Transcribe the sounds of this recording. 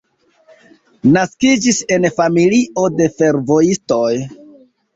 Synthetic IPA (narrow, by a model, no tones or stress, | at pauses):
naskid͡ʒise̞nfamiliʔo̞de̞fe̞ɾvo̞isto̞j